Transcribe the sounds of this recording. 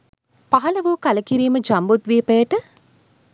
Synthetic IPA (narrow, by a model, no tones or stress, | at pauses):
paɦɐləʋuːkaləkiɾiːməd͡ʒambut̪ʋiːpɛːʈə